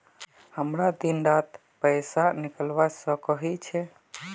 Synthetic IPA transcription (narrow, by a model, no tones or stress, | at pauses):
həmɾad̪inɾat̪ | pəjsanikəlʋasə̃kəɦit͡ʃʰɛ